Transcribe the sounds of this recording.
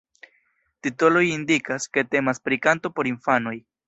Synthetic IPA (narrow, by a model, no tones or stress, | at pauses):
titolo̞jindikaske̞te̞maspɾikanto̞po̞ɾinfano̞j